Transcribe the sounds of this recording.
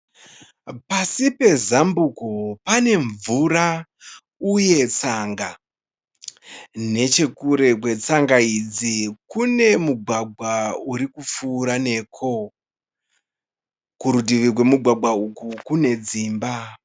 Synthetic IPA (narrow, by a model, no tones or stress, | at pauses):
pasipe̞zambukopane̞ɱvuɾa | uje̞t͡saŋɡa | ne̞t͡ʃe̞kuɾe̞kwe̞t͡saŋɡaid͡zikune̞muɡʱwaɡʱwauɾikup͡fuːɾane̞ːkʰo̞ | kuɾudiʋikwe̞muɡʱwaɡʱwaukukune̞d͡ziːmba